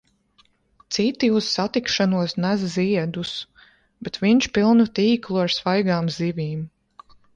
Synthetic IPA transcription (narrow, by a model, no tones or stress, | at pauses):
t̪sit̪iusːat̪ikʃanuɔsnæzziɛd̪us | b̥ɛt̪viɲt͡ʃpilˠnut̪iːklˠuaɾsvajɡaːmzivʲiːm